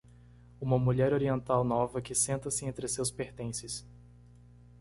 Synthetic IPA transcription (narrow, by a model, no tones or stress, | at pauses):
ũmɐmuʎɛɾoɾiẽnt̪awnɔvɐkɪsẽnt̪ɐsɪẽnt̪ɾɪsewspeɾt̪ẽsɪs